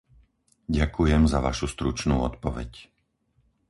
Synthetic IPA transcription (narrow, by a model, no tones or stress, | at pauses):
ɟakujɛmzaʋaʃust̪ɾut͡ʃnuːɔt̪pɔʋɛ̰c